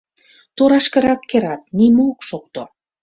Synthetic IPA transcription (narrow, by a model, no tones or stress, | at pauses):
t̪oɾɑʃkə̆ɾɑkːeɾɑt̪̚nimookʃok̚t̪o